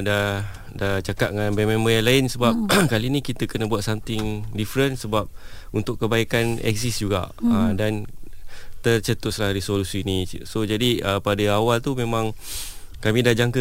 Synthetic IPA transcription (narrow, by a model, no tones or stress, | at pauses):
da | dat͡ʃakaʔ̪̚ŋanbɛmẽmbəjalaɪnsəbap̚kalinikit̪əkənəbuat̪samt̪ɪŋdifɾənsəbap̚ | unt̪ʊʔkːəbaikanɛ̰ksisd͡ʒuɡa̰ʔədan | t̪ərt͡ʃət̪ʊt̪̚slahɾisolusiːnisod͡ʒadiəpadəawalt̪umẽmãŋ | kamĩdahd͡ʒaŋkə